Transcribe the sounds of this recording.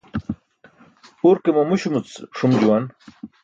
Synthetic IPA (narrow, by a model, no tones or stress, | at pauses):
uɾkemomuɕumut͡sʂumd͡ʑuwan